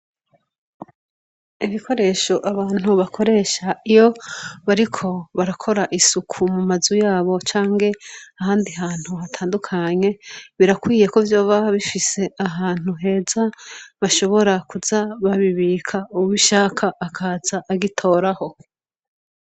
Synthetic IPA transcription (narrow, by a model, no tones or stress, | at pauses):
iβiko̞ɾe̞ːʃo̞ʔaβaːn̥uβakʰo̞ɾe̞ːʃaijo̞βaɾikʰo̞βaɾakʰo̞ɾaʔisukʰumumazujaːβo̞t͡ʃaːŋɡe̞ahaːndiɦaːn̥huɦatʰaːndukʰaɲe̞βiɾakwiːje̞ko̞vjoːβaβifise̞ʔaɦaːn̥huɦe̞ːzaβaʃo̞βo̞ɾakuzaβaβiβikʰauwiʃaːkʰaʔːkʰaːzaʔːɡitʰo̞ːɾaho̞